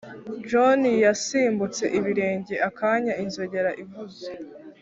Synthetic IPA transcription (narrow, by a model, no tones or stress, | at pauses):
d͡ʒonijasiːmbut͡se̞̰ʔiβiɾe̞ːɲɟe̞ʔakʰaːɲainzo̞ɟe̞ɾaʔivuze